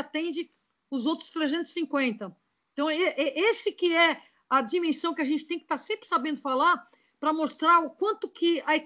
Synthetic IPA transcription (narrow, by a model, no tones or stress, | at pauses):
at̪ẽnd͡ʒɪ | ʊzowt̪ɾʊ̥st̪ɾezẽnt̪ʊz̥ɪ̥sĩŋkwẽnt̪ɐ | eẽt̪ɐ̃w̃eʔɛʔesɪkɪɛ | ɐd͡ʒimẽsɐ̃w̃kɪaʒẽnt͡ʃɪ̥t̪ẽj̃kɪt̪asẽmpɾɪsabẽnd̪ʊfalaɾ | pɾɐmost̪ɾaɾʊkwɐ̃nt̪ʊkʰɪɐe